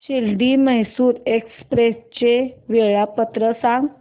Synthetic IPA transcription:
ɕilɖiməɦsuːɾekspɾest͡ɕeʋeɭapət̪ɾəsãŋɡ

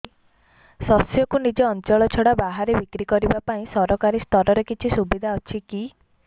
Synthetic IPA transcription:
sɔsjɔkunid͡ʒeɔnt͡ʃɔɭɔt͡ʃʰɔɽabaɦaɾebikɾikɔɾibapaĩsɔɾɔkaɾist̪ɔɾɔɾekit͡ʃʰisubid̪ʱaɔt͡ʃʰiki

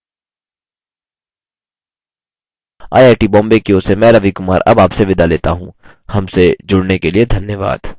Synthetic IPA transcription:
a̰ːjaːʈibɔ̃ːmbekiosemɛ̃ːɾɐʋikʊmaːɾʔɐ̰baːpseʋɪd̪aleːt̪a̰ɦũ | hɐmsed͡ʒʊɽnekelied̪ʱɐnjəʋa̰ːd̪̥

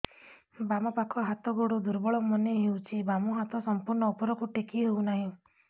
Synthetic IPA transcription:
bamɔpakʰɔɦat̪ɔɡoɽud̪uɾbɔɭɔmɔneɦewt͡ʃʰibamɔɦat̪ɔsɔmpuɾɳɔupɔɾɔkuʈikiɦewnaɦĩ

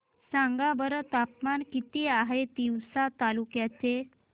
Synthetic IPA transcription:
sãŋɡabəɾət̪apmankit̪iaɦet̪iwsat̪alukjat͡se

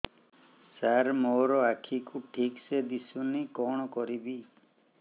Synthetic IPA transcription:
saɾmoɾɔakʰikuʈʰiksed̪isunikɔɽ̃ɔkɔɾibi

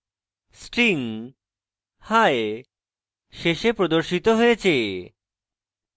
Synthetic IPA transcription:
sʈɾiŋ | hae | ʃeʃepɾod̪oɾʃit̪oɦojet͡ɕʰe

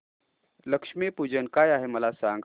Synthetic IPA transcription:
ləkʂmipud͡ʑənkajaɦeməlasaŋɡ

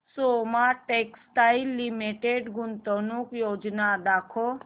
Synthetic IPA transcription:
somaʈeksʈailːimiʈeɖɡʊnt̪ɔnukjoːd͡ʒnad̪akʰo

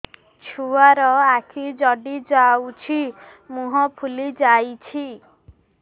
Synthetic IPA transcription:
t͡ʃʰuaɾɔakʰid͡ʒɔɖid͡ʒawt͡ʃʰi | muɦɔpʰulid͡ʒajt͡ʃʰi

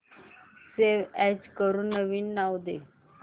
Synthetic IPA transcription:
seʋɛd͡ʑkəɾũːnːəʋiːnːawd̪e

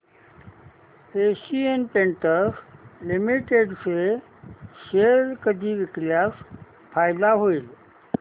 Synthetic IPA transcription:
eːsienpẽɳʈəɾslɪmiʈeɖse | ʃeɾkəd̪ʱiʋɪkljaːs | pʰaːɪd̪aɦoil

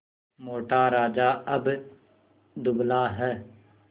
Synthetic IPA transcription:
moːʈaːɾaːd͡ʒaːəb | d̪ʊblaːɦɛ

